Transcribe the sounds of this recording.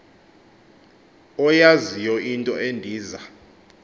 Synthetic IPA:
ɔjazijɔʔintʼɔ̰ʔendʱiːza

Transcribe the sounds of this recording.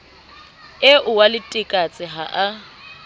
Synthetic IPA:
ɪʔʊwalɪtʼɪkʼat͡sʼɪɦaʔa

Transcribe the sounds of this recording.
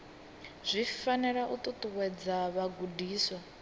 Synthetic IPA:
z̥ʷifanɛɺaʔut̪ʼut̪ʼuwɛd͡zaβaɡudiːswa

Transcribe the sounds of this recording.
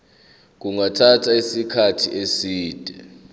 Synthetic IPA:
k̬uŋatʰatʰaisikʰatʰiʔesiːd̥ʱʼɛ

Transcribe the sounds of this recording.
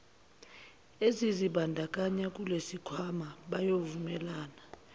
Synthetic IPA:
eziziɓandʱakʼaɲak̬ʼulesikʰwamaɓajovumɛlaːna

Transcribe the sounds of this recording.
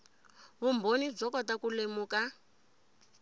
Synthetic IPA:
βumbʱonib͡ʐɔkɔtakulemuːka

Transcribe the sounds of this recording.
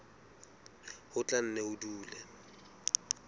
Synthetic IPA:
hʊt͡ɬʼan̩nɛʊduːlɛ

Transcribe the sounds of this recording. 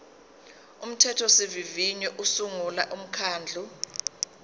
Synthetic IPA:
um̩tʰɛtʰɔsiviviɲɔʔusuŋulaʔum̩kʰaːnd͡ɮʱu

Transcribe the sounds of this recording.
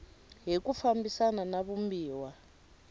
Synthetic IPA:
ɦikufambisananaβumbiːwa

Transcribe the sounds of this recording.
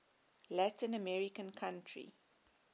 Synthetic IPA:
lætĩnəmɛɹikə̃nkʰãntʰɹḭ

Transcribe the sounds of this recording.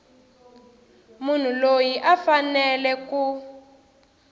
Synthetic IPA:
mun̤ulojiʔafanɛlɛku

